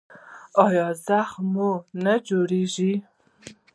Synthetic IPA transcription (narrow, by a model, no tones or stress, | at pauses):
ɑjɑzaxmunad͡ʒoɽeʒi